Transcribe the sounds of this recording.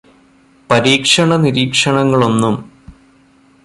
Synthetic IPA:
pɐɾiːkʂɐɳɐniɾiːkʂɐɳɐŋːɐɭo̞nːum

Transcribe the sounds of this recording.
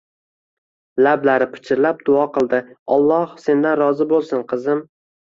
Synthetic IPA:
lablaɾɪpʰɪ̥t͡ʃʰɪɾlap̚d̪ʊɒqʰɨlˠd̪ɪɒlˠːɒhse̞nd̪anɾɒzɪbolˠsɪnqʰɨzɪm

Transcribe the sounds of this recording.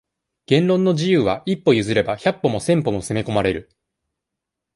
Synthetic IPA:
ɡ̥ẽ̞nɾõ̞nːo̞ʑijɯːβaʔipːo̞jɯ̟zɨɾe̞baçapːo̞mo̞sẽ̞mpo̞mo̞seme̞ko̞maɾe̞ɾɯ̟

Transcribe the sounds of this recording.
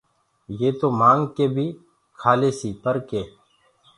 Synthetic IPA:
jeːt̪oːmãːŋɡkeːbʱiː | kʰaːleːsiːpəɾkeː

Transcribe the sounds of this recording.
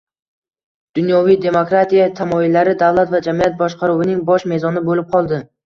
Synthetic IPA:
d̪̥ʊnjɒvijd̪e̞mokɾat̪ʰijat̪ʰamɒɪlːaɾɪd̪avlˠat̪vad͡ʒamijat̪̚bɒʃqʰɑɾuwɪnɪŋbɒʃme̞zɒnɪbolɪp̚qʰɒlˠd̪ɪ

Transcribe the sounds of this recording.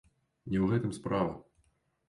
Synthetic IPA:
nʲɛwɣɛt̪ɨmspɾavɐ̰

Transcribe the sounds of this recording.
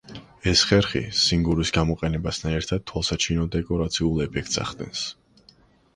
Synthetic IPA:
ɛsχɛɾχḭsiŋɡuɾisɡamɔqʼɛnɛbast̪ʰanɛɾt̪ʰad̪̚t̪ʰwalˠsat͡ʃʰinɔd̪ɛkʼɔɾat̪sʰiulˠɛpʰɛk̚ʰt̪sa̰χd̪ɛ̰ns

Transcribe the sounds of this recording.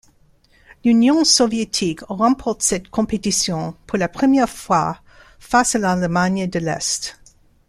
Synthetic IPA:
lynjɔ̃sɔvjet̪ʰikʁɑ̃pʰɔʁt̪sɛt̪kʰɔ̃pet̪isjɔ̃pʰuʁlapχəmjɛʁfwa | fasalalmaɲd̪əlɛ̰st̪

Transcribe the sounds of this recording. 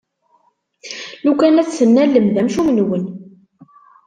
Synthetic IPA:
lukænæt͡sːθənːælːəmðæmʃumənwən

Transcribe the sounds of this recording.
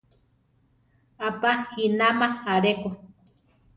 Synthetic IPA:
apahinamaaɾeko

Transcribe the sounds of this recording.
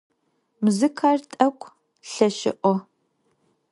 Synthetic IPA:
mzɨkʰaːrtʼɐkʷʰʼ | ɬɐʃɪ̰ʔʷɔ

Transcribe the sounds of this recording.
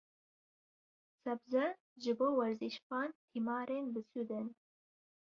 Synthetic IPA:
sɐbzɐ | ʒɪboːwɐɾziʃχɑːntʰimɑːɾenbɨsud̪ɐn

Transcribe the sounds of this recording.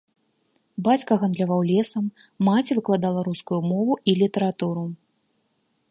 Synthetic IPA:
bat͡sʲkɐɣɐnd̪lʲavawlʲɛsɐmː | at͡sʲivɨklˠad̪alˠɐɾuskujumɔvuʔilʲit̪ɐɾat̪uɾu

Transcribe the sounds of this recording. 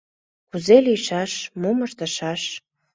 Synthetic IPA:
kuzelijʃɑʃmoməʃt̪əʃɑʃ

